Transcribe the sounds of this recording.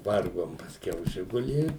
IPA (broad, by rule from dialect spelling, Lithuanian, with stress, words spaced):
ˈʋɐrɡoːm pɐsʲˈkʲɛʊ ˈʒʲɪɡʊlʲiː